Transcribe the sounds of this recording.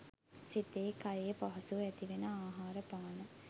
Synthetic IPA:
sit̪eːkajejəpaɦɐsuɛt̪iʋenəaːɦaːɾəpaːnə

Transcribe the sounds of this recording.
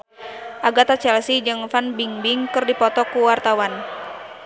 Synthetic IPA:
ʔaɡat̪at͡ʃɛlsid͡ʒɨŋfanbiŋbiŋkɨrdipɔt̪ɔkuwart̪awan

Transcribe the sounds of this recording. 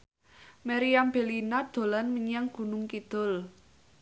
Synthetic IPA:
maɾiamb̥e̤linad̪̥o̤lanməɲaŋɡ̥ṳnʊŋkid̪̥ʊ̤l

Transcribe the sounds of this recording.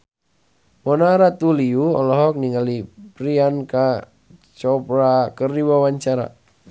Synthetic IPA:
mɔnaɾat̪uliuɔ̰lɔɦɔk̚niŋalipɾianka | t͡ʃɔpɾakəriwawaɲt͡ʃaɾa̰

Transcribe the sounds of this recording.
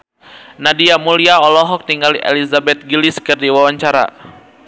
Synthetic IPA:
nadiamuliaɔlɔɦɔk̚t̪iŋɡaliʔɛ̰lizabɛt̪̚ɡiliskɨrdiwawaɲt͡ʃaɾa̰

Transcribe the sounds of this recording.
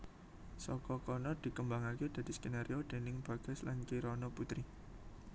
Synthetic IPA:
sɔkɔkɔnɔd̪̥i̤kəmbaŋaked̪̥a̤d̥i̤skenaɾʔiod̪̥e̤nɪŋb̥ä̤ɡ̥ɛslankiɾɔnɔput̪ɾi

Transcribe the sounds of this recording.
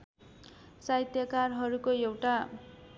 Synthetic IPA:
sajt̪jʌkarɦʌɾukoewʈa

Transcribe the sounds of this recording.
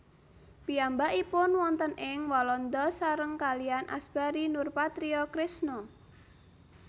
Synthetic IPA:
piambaʔipʊnwɔnt̪ənʔɪŋwɔlɔnd̪ɔsaɾəŋkalianʔa̰sb̥aɾinʊrpat̪ɾiɔkɾɪsnɔ

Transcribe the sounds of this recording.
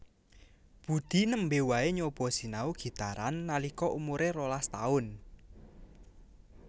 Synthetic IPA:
b̥ṳd̪̥i̤nəmbewaeɲob̥ɔ̤si̤nauɡ̥i̤t̪aɾanːalikɔʔumuɾeɾolast̪a̰ʊn

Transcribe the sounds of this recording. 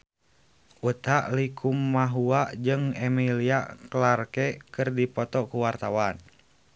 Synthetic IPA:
ut̪aʔlikʰumːaɦuad͡ʒɨŋɛmiliaklarkɛkɨrdipɔt̪ɔkuwart̪awan

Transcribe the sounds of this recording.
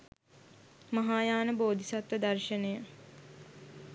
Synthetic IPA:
mɐɦaːjaːnəboːd̪ʱisat̪ʋəd̪ɐrʃənejə

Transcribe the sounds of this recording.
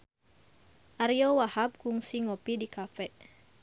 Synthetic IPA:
ʔaɾiowahap̚kuŋsiŋopidikafɛʔ

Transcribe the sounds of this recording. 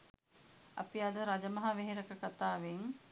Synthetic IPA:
a̰piad̪əɾad͡ʒəmɐɦɐʋeɦeɾəkəkat̪aːʋeŋ

